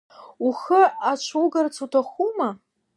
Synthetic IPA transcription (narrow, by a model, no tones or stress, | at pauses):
uχəat͡ʃʷʰuɡart͡sʰutʰaχuma